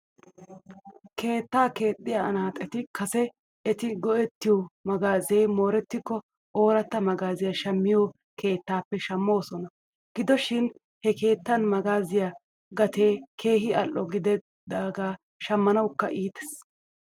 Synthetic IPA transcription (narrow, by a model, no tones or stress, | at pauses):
ke̞ːt̪ːaːke̞ːt̪ʼːɪjaɐnaːt̪ʼɛt̪ɪkʰɐsɛ | ɛt̪ɪɡɔʔɛt̪ːɪjɔmɐɡaːze̞jmo̞ːɾɛt̪ːɪkːɔ | oːɾɐt̪ːɐmɐɡaːzɪjaʃɐmːɪjoː | kʰe̞ːt̪ːaːpːɛʃɐmːo̞ːsɔnɐ | ɡ̥ɪd̪ɔʃɪn | hɛke̞ːt̪ːɐnmɐɡaːzɪja | ɡɐt̪ʰeːkʰe̞ːɦɪɐlʔːɔɡɪd̪ɛ | d̪aːɡaː | ʃɐmːɐnɐwkːɐʔiːt̪ɛ̥s